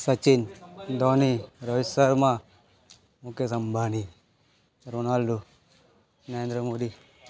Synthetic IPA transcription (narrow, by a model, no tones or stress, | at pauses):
sɐt͡ʃind̪ɔːniɾɐʋisəɾmã | mukjesɐmbʱaːni | ɾoːnaːlɖo | nɐɾeːnd̪ɾəmoːd̪i